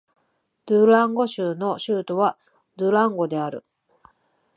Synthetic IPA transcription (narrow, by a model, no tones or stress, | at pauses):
d̪̥ɯɾãŋɡo̞ɕɨːno̞ɕɨːt̪o̞βa | d̪ɯ̟ɾãŋɡo̞d̪e̞aɾɯ̟̰